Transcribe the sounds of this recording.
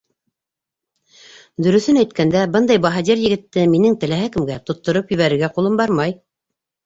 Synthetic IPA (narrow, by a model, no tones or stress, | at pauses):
d̪ɵ̆ɾɵ̆θɘnæjt̪kænd̪æbɤnd̪ɑjbɑɦɑd̪ʲiɾjɘ̆ɡɘ̆t̪ːɘminɘŋt̪ɘ̆læɦækɘ̆mɡæt̪ŏt̪ːŏɾɤpjɵ̆βæɾɘ̆ɾɡæqulˠɤmbɑɾmɑj